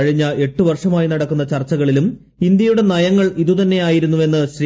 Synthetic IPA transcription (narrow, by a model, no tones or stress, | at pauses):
ɐɻiɲːɐʔe̞ʈːuʋɐrʂɐmaːjinɐɽɐkːunːɐt͡ɕɐrt͡ɕːɐɣɐɭilum | ind̪jɐjuɽe̞nɐjɐŋːɐɭiðut̪ɐnːe̞jaːjiɾunːuʋe̞nːɨɕɾi